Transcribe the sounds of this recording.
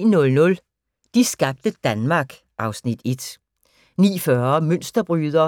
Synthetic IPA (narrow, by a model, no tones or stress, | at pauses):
nɔ̽lnɔ̽l | d̥isɡ̥ɑ̈b̥̚d̥əd̥ænmɑ̈ːɡ̥ | ʔɑ̈ʊsnid̥e̝d̥ | nḭːfɶɐmøn̰sd̥ɐb̥ʁyːðˠɐ